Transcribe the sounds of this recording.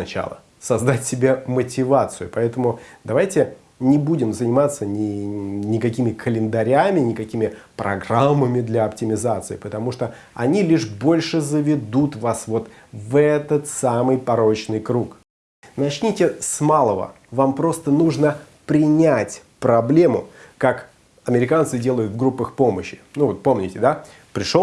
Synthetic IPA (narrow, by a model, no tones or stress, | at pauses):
nɐt͡ɕa̰lˠə̰ | sɐzd̪atʲsʲɪbʲemətʲɪvat̪sɨjʊpɐɛt̪əmʊd̪ɐvajtʲɪ | nʲɪbudʲɪmzənʲɪmat̪sːənʲɪnʲɪkɐkʲimʲɪkʰəlʲɪnd̪ɐɾʲamʲɪnʲɪkɐkʲimʲɪpɾɐ̰ɡramːəmʲɪd̪lʲɐɐptʲɪmʲɪzat̪sɨɪpət̪ɐmuʂt̪o | ɐ̰nʲilʲiʂbo̞lʲʂɨzəvʲɪd̪ut̪vasvo̞t̪ | vɛt̪ət̪samɨjpɐɾo̞t͡ɕnɨjkɾuk | nɐt͡ɕnʲitʲɪsmalˠəvə̰ | vampɾo̞st̪ənuʐnə | pɾʲɪnʲætʲpɾɐblʲemʊkak | ɐmʲɪɾʲɪkant̪sɨdʲe̞lˠəjʊt̪vɡɾupːəxpo̞məɕːɪ̥nuvot̪̚po̞mnʲɪtʲɪd̪a | pɾʲɪʂo